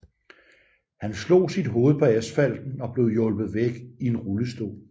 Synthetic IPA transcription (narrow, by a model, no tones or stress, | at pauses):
hænslo̝̰ːsid̥ɦo̝ːð̞̩ˠpʰɒ̽æsfæl̰d̥n̩ɒ̽b̥le̝ʊjɔ̽lb̥ð̞̩ˠʋeɡ̥ie̝nʁuləsd̥o̝̰ː